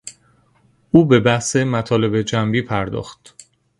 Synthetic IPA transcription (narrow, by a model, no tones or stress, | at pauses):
ʔuːbe̞bæhse̞mæt̪ʰɒːle̞bed͡ʒæmbiːpʰæɾd̪ɒ̰ːxt̪